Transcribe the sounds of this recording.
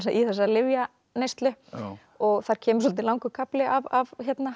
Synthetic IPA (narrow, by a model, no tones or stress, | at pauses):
s̬aʔiθɛsːalɪvja | nejst̪lʏ | ɔɣθaɾ̥cʰɛːmʏsɔlt̪ɪlawŋkʏkʰaplɪʔavavçɛt̪na